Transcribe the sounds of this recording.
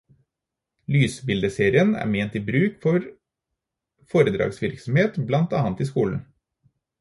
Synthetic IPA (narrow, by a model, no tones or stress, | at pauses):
lyːsbɪld̪əseːɾɪənæ̰ːɾmeːnt̪iːbɾʉːkfɔɾ | foːɾəd̪ɾɑ̰ːɡsʋɪɾksɔmheːt̪blɑnt̪ɑːɑnt̪ɪskuːln̩